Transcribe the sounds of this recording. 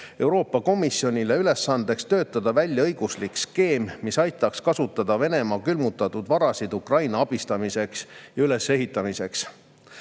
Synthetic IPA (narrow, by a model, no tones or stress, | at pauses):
e̞wɾo̞ːpːˑɑko̞misjo̞nʲileyle̞sːɑnd̪̥e̞kst̪ø̞ːt̪ːˑɑd̪̥ɑvælʲjɑɤjɡ̥uslikˑske̞ːmmisɑjt̪ːˑɑkskɑsut̪ːˑɑd̪̥ɑve̞ne̞mɑːkylmut̪ːˑɑt̪ːˑud̪̥vɑɾɑsid̪ukrɑjnɑɑb̥ist̪ɑmise̞ksjɑyle̞sːe̞ɦit̪ˑːɑmise̞ks